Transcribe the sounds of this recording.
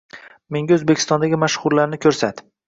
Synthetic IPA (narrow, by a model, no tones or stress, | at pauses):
me̞ŋɡʲaɵzbekʰʲɪ̥st̪ɒnd̪aɡʲɪmaʃχʊɾlaɾnɪkʲʰɵɾsat̪